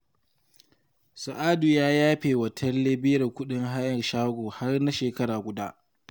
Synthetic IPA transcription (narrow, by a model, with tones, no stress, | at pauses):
sʊ˨ʔaː˦duː˨jaː˦jaː˦ɸeː˨wɐ˨tʰɐ˦rleː˦bɪː˦ɾɐ˨kʷʊ˦ɗɪ˦ŋɦa˦jɐ˨rʃaː˦ɡʷoː˨ha˦rna˦ʃeː˨kɐ˦ɽaː˨ɡʷʊ˨da˦ʔ